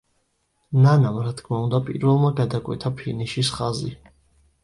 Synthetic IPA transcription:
nanamɾat̪kʰmaund̪apʼḭɾvɛlˠmaɡad̪akʼwɛ̰t̪ʰapʰiniʃisχazḭ

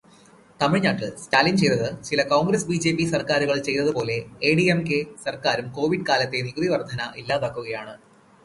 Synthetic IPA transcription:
t̪ɐmiɻɲaːʈːɨstaːlint͡ɕe̞jt̪ɐðɨt͡ɕilɐkoːŋɡɾɐsbiːd͡ʑe̞ːpːisɐrkaːɾuɣɐɭt͡ɕe̞jt̪ɐðɨpo̞ːle̞eːɖiemkesɐrkaːɾumko̞ːʋiɖɨkaːlɐt̪ːe̞niɡuðiʋɐrd̪ʱɐnɐʔilːaːbaːkːuɣɐjaːɳɨ

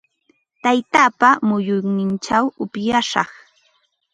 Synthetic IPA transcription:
t̪ajt̪aːpamʊjʊnɪnt͡ʃawʊpjaʃɑ̰χ

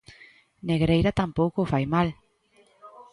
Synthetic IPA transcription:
neɣɾejɾat̪ampowkofajmal

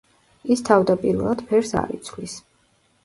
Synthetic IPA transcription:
ist̪ʰavd̪apʼiɾvɛlˠad̪̥pʰɛɾsa̰ɾḭt̪sʰlis

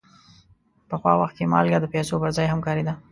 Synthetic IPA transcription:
pəxwɑ̰waxt̪̚kemɑ̰lɡɑd̪əpesopəɾzɑjhamkɑɾid̪a

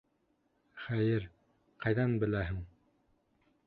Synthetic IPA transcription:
χæjɘɾ | qɑjðɑnbɘ̆læɦɘŋ

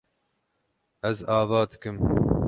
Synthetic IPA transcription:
ɛzɑːvɑːd̪ɨ̥kɨm

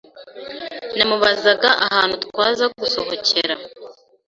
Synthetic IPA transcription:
namuβazaɡaʔahaːnhut̪waːzaɡuso̞ɦocʰe̞ɾa

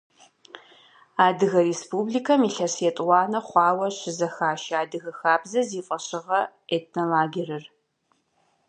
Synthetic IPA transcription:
aːdɨɣɐrespuːbliːkʰɐmiːɬɐsɛtʼwɑːnɐχʷɑːwɐɕɪzɐxaːʃaːdɨɣɐxaːbzɐziːfʼɐɕɪʁɐ | etʰnolaːɡʲirɐr

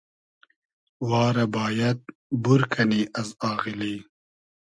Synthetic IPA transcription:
wɑːɾɐbɑːjɐt̪̚buɾkʰɐniːʔɐzɑːɣiliː

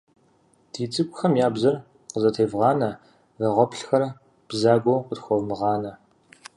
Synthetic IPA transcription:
d̥ʰiːt͡sʼɨkʷʼʊxɐmjaːbzɐr | qəzɐtʰeːvʁɑːnɐ | ʁɐʁʷɔpɬxɐr | b̥zaːɡʷowqʷʊtxʷowmɨʁɑːnɐ

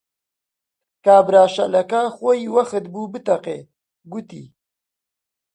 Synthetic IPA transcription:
kaːbɾaːʃɐlɐkaːxoiwɐxət̪̚bubɨt̪ɐqḛː | ɡut̪ḭː

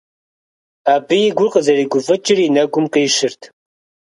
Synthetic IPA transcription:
aːbɨjɪɡʷʊrqəzɐriːɡʷʊfɨt͡ʃʼɪrinɐɡʷʊmqeːʃɪrtʰ

